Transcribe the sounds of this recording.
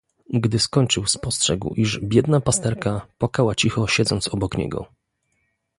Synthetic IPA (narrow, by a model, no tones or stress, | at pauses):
ɡd̪ɘskɔɲt͡ʂɘwspɔstʂɛɡwʔiʐbʲjɛd̪napast̪ɛɾkapakawat͡ɕixɔɕɛd̪zɔnt̪sɔbɔkɲɛ̰ɡɔ̰